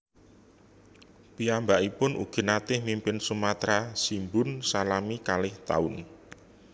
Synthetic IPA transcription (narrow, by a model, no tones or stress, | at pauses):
piambaʔipʊnʔṵɡ̥i̤nat̪ɪhmimpɪnsumat̪ɾasimbʊnsalamikalɪht̪a̰ʊn